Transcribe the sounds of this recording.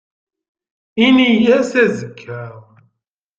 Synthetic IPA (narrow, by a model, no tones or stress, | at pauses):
inijæsæzəkʰːæʁ